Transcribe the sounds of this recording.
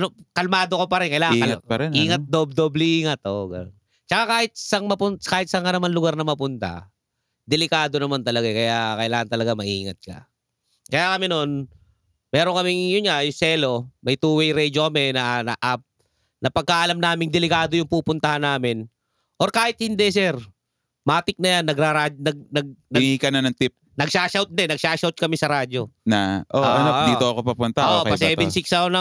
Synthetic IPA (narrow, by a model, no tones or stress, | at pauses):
nokɐlmaːd̪okopɐɾɪnkɐjlaːt̪̚ɐɾɛiːŋɐt̪̚d̪obd̪oblɪʔiːŋɐt̪ʔoɡɐ̰non | t͡ʃɐkakaːhɪt̪̚sɐŋmɐpʊnkaːhɪt̪sɐŋanɐmanlʊɡaɾnɐmɐpʊnt̪a̰ | d̪ɪlɪkaːd̪o̞nɐmant̪ɐlɐɡakɐjakɐɪlaːŋɐnt̪ɐlɐɡamɐʔiːŋɐt̪̚kɐ̰ | kɐjakɐmɛno̞n | mɛːɾoŋkɐmɪŋjʊnŋajʊsɛːlo̞mɐjt̪uːwɛjɾɛd͡ʒokɐmɛnɐnɐʔap̚ | nɐpɐɡ̚kːaʔɐlamnaːmɪŋd̪ɛlɪkaːd̪ojʊŋpuːpʊnt̪ɐhanːaːmɪn | ʔoɾkaːhɪt̪̚hɪnd̪ɛsɛɾ | maːt̪ɪk̚nɐjanːɐɡɾaɾad͡ʒnɐɡ̚nɐɡ̚nɐɪniːkɐnɐnɐŋt̪ɪp̚nɐɡʃaːʃawt̪̚d̪ɛnɐɡ̚ʃaːʃawt̪̚kɐmɪsɐɾaːd͡ʒo̞nɐʔoʔɐnoʔd̪iːt̪oɐkopɐpʊnt̪ɐʔoɐpɐsɛːbɛnsɪksɐonɐ